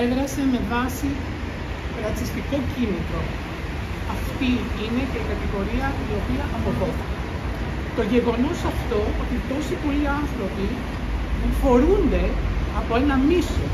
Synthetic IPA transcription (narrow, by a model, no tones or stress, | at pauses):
eðɾɐse̞me̞vɐsi | ɾɐt͡sist̪iko̞cinit̪ɾo̞ | ɐft̪iine̞ce̞ikɐt̪iɣo̞ɾiɐio̞piɐʔɐmoɾɣo̞θi̥kɐ | t̪o̞ʝe̞ɣo̞no̞sɐft̪o̞ot̪it̪o̞sipo̞liɐnθɾo̞pi | fo̞ɾund̪e̞ɐpo̞e̞nɐmiso